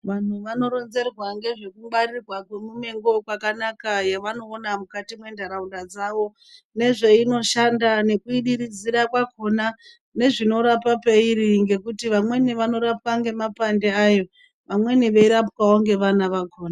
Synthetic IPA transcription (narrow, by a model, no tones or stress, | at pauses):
ʋan̤uʋano̞ɾo̞nze̞rwaŋɡe̞ʐe̞kuɓarirwakwemumeŋɡo̞kwakanakajaʋano̞ːnamukatimwe̞ndaɾaundad͡zaʋo̞ | ne̞ʐe̞ino̞ʃandane̞kuiɗiɾid͡ziɾakwakʰo̞na | ne̞ʐino̞ɾapapeiɾiŋɡe̞kutiʋamwe̞niʋano̞ɾap̚aŋɡe̞mapandeajo̞ | ʋamwe̞niʋe̞iɾapkawoŋɡe̞ʋanaʋakʰoːna